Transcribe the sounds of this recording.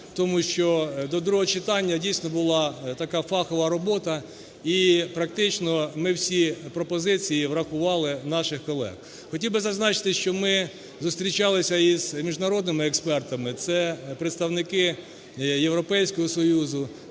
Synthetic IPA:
t̪ɔmuʃt͡ʃɔd̪ɔd̪ɾuɦɔt͡ʃɪt̪ɑnʲːɐdʲijsʲnɔbʊlˠɑt̪ɐkɑfɑxɔʋɐɾɔbɔt̪ɐ | ipɾɐk̚t̪ɪt͡ʃnɔmɪwsʲipɾɔpɔzɪt͡sʲijiʋɾɐxʊʋɑlˠɪnɑʃɪxkɔlˠɛ̰x | xɔtʲiwbɪzɐznɑt͡ʃɪ̥t̪ɪʃt͡ʃɔmɪ | zʊst̪ɾʲit͡ʃɑlˠɪsʲɐiz̥mʲiʒnɐɾɔd̪nɪmɪɛkspɛrt̪ɐmɪt̪sɛpɾeɪt̪st̪ɐwnɪkɪ | jewɾɔpɛjsʲkɔɦɔsɔjuzʊ

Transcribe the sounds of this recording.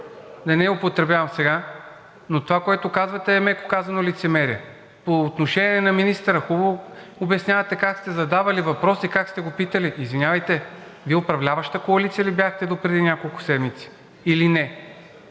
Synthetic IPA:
d̪ɐnɛʊpot̪ɾɛbʲjavɐmsɛɡa | not̪ovakoɛt̪okazvɐt̪ɛːmɛko̥kazɐnolit̪sɛmɛɾiɛ | poːt̪noʃɛnʲɛɛnɐminist̪əɾəxub | obɛsnʲavɐt̪ɛkakst̪ɛzɐd̪avɐlivɐpɾɔsikakst̪ɛɡopit̪əliʔːzvinʲjavɐjt̪ɛviɛopɾɐvlʲavɐʃt̪əkoɐlit̪sijəlʲibjaxt̪ɛd̪opɾɛd̪inʲakolˠkʊ̥sɛd̪mit̪si̥ | ilinɛ

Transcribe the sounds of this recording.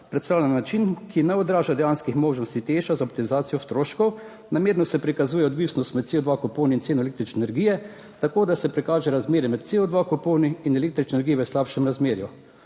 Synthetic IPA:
pɾɛt̪st̪aːwlʲanːat͡ʃinkinɛɔd̪ɾaːʒad̪ɛjaːnskixmoːʒnɔst̪it̪eːʃazaɔp̚t̪imizaːt̪sijɔst̪ɾoːʃkɔw | nameːɾnɔsɛpɾikazuːjɛɔd̪ʋisnɔst̪mɛt̪t̪seɔd̪ʋakɔpoːniint̪seːnɔlekt̪ɾit͡ʃnɛnɛɾɡijɛ | t̪akoːd̪asɛpɾikaːʒɛɾazmeːɾjɛmɛt̪̚t̪seɔd̪ʋakɔpoːniinɛleːk̚t̪ɾit͡ʃnenɛɾɡijɛʋəslapʃɛmɾazmeːɾju

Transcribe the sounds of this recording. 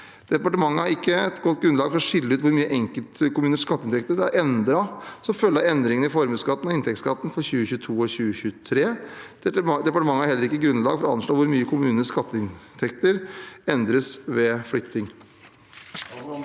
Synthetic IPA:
d̪̥ɛpɑʈəmɑŋːəhæɾɪkːəɛt̪ɡɔt̪ːɡɾʉnlɑːɡfɔɾɔʂɪlːəʉːt̪ʋʊɾmyːəʔɛŋkəlt̪kʰʊmʉːnəʂkɑt̪ːəɪnt̪ʰɛk̚t̪əd̪ɛæɾɛnd̪ɾɑsɔmfœlːɑɛnd̪ɾɪŋən̩ɪfɔɾmʉːskɑt̪ːənɑɪnt̪ʰɛkt̪skɑt̪ːn̩fɔɾɕʉːəçʉːt̪ʰuːɔɕʉːəçʉːt̪ʰɾeː | d̪ɛpɑʈəmɑŋːəhæɾhɛlːəɾɪkːəɡɾʉnlɑːɡfɔɾɔɑnʂɭoːʋʊɾmyːəkʰʊmʉːnəskɑt̪ːəɪnt̪ʰɛkt̪əɾɛnd̪ɾəsʋɛflʏt̪ɪŋ

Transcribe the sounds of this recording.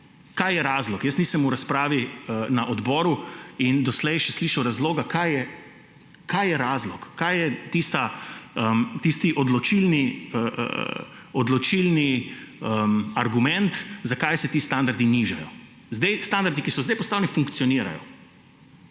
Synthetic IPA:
kajjɛɾaːzlɔkjəstniːsɛmuɾaspɾaːʋiənaʔɔd̪bɔːɾuind̪ɔslɛjʃɛsliːʃɐwɾazloːɡakajɛ | kʰajjɛɾaːzlɔkːajjɛt̪ist̪aəmt̪ist̪iʔɔd̪lɔt͡ʃilniə̰ | ɔd̪lɔt͡ʃilniəmaɾɡumɛnt̪zakajsɛt̪iːst̪and̪aɾd̪iniʒajɔ | zd̪ɛjst̪and̪aɾd̪ikisɔzd̪ajpɔst̪aːwnifuŋkt̪sijɔniːɾa̰jɔ̰

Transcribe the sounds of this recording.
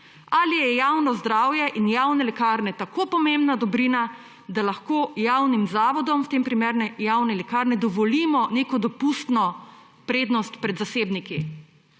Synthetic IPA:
alijɛjawnɔzd̪ɾaːwjɛʔinjawnɛlɛkaːɾnɛt̪akopɔmẽmbnad̪ɔbɾina | d̪alaxkoːjawnimzaːʋɔd̪ɔmwt̪empɾimeːɾnɛjawnɛlɛkaɾnɛd̪ɔʋɔliːmɔneːkɔd̪ɔpust̪nɔ | pɾeːd̪nɔst̪pɾɛd̪zaseːbniki

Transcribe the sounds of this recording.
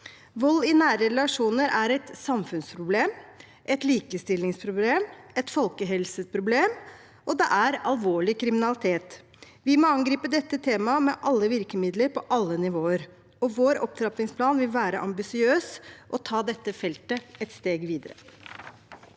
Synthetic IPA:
ʋɔlːɪnæːɾəɾɛlɑʂuːnəɾæɾɛt̪sɑmfʉnspʰɾʊbleːm | ʔɛt̪liːkəst̪ɪlːɪŋspʰɾʊbleːmɛt̪fɔlkəɦɛlsəpʰɾʊbleːm | ʔɔd̪ɛʔæɾɑlʋoːɭɪkʰɾɪmɪnɑlɪt̪ʰeːt̪ | ʋɪmɔɑŋɡɾiːpəd̪ɛt̪ːət̪ʰeːmɑmɛʔɑlːəʋɪɾkəmɪd̪ləɾpʰɔʔɑlːənɪʋoːəɾ | ɔʋoːɾɔ̰p̚t̪ʰɾɑpɪŋspʰlɑːnʋɪlʋæːɾəʔɑmbɪsɪøːsʔɔt̪ʰɑːd̪ɛt̪ːəfɛlt̪əɛt̪st̪eːɡʋiːd̪əɾə̰

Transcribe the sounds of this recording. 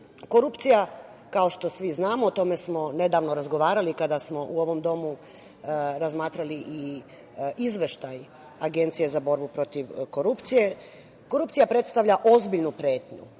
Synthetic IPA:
koɾupt̪sija | kao̞ʃt̪o̞sʋiznaːmot̪o̞me̞smo̞ne̞d̪aːʋnoɾazɡo̞ʋaːɾalikad̪asmo̞ʔuo̞ʋo̞md̪o̞mu | ɾazmaːt̪ɾaliʔi | izʋeʃt̪aj | aɡe̞nt̪sije̞zabo̞ɾbupɾo̞t̪iʋko̞ɾupt̪sije̞ | ko̞ɾupt̪ijapɾe̞t̪st̪aʋʎaʔo̞zbiʎnupɾe̞ːt̪ɲṵ

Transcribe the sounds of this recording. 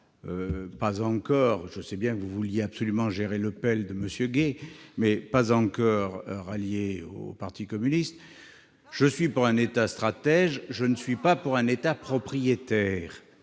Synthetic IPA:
øpazɑ̃kɔʁʒəsɛbjɛ̃kəvuvuljeabsɔlymɑ̃ʒeʁeləpɛld̪əməsjøɡemɛpazɑ̃kɔʁʁaljeo̰paʁt̪ikɔmynist̪ | ʒ̥əsɥipuʁɛ̃net̪ast̪χat̪ɛʒʒənəsɥipapuʁɛ̃net̪apχɔpχijet̪ɛːʁ

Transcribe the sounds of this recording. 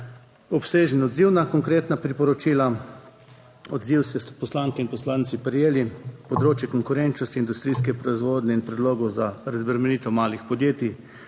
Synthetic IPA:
ɔpseːʒənɔd̪ziwnakɔŋkɾeːt̪napɾipɔɾɔt͡ʃiːla | ɔd̪ziwsɛpɔslaŋkɛinpɔslaːnt̪sipɾjeːlipɔd̪ɾoːt͡ʃjɛkɔŋkʊɾɛnt͡ʃnɔst̪iːnd̪ust̪ɾiːskɛpɾɔizʋoːd̪nʲɛinpɾɛd̪loːɡɔzaɾazbəɾmɛniːt̪ɛmaːlixpɔd̪jeːt̪i

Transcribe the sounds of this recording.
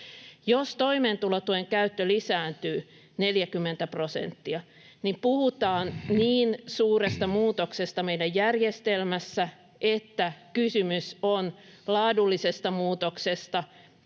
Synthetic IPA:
jost̪oimeːnt̪ulot̪ueŋkæyt̪ːølisæːnt̪yː | neljækymːent̪æprosḛnt̪ːiɑ | nimpuhut̪ɑːnniːnsuːrest̪ɑmuːt̪oksest̪ɑmeidæjjærjest̪elmæsːæ | ʔet̪ːækysymyson | lɑːdulːisest̪ɑmuːt̪oksest̪ɑ

